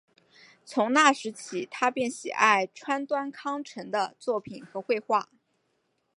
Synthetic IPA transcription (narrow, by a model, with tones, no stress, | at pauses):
t͡sʰʊ˧˥ŋna˥˩ʂɻ̩˧˥t͡ɕʰi˨˩t̪ʰa˥pjɛ˥˩nɕḭ˨˩ʔa˥˩ɪʈ͡ʂʰwa˥nt̪wa˥nkʰɑ˥ŋʈ͡ʂʰə˧˥ŋd̪ə˧t͡swɔ˥˩pʰi˨˩˦nxɤ˧˥xwe˥˧ɪxwa˥˩